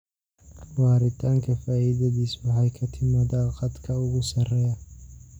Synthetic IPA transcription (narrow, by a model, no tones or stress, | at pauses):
wɑːɾɪt̪ʰaːŋkʰɐfaːʔɪðɐðiːswɑħɑjkʰɐt̪ʰɪmɐdɐqɑd̪kʰɐʊɣʊsɐrɛjɐ